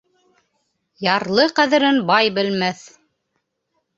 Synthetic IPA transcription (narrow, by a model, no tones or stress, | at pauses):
jɑɾlˠɤqæðɘ̆ɾɘnbɑjbɘ̆lmæθ